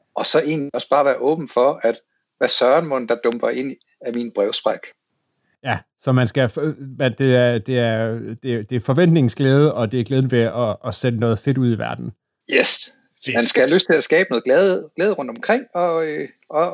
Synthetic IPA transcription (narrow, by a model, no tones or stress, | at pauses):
ɒ̽sɒ̽ʔe̝ːnliɒ̽sb̥ɑ̈ːʋæːɐʔɔ̽ːb̥n̩fɒ̽æd̥ | ʋæɐsɶːɐɐnmɔ̽n̩d̥ɑ̈d̥ɔmb̥ɐʔe̝n̰ | æminb̥ʁɛʊsb̥ʁaɡ̥ | jæ | sɒ̽mænsɡ̥æfmænd̥e̝æɐd̥e̝æɐd̥e̝d̥e̝fɒ̽ʋen̰d̥ne̝ŋ̩sɡ̥leːð̞ˠəʔɒ̽d̥e̝æɐɡ̥leðˠnəʋe̝ɒːsed̥ənɔ̽ːð̞̩ˠfe̝d̥uð̞̰ˠiʋæɐd̥n̩ | jes | mænsɡ̥æhæløsd̥̚t͡sʰe̝læsɡ̥ɛːb̥nɔ̽ːðˠlɛðˠɡ̥leːðˠʁɔ̽n̰d̥ɒ̽mkʰʁeŋ̰ɒ̽ø | ɒ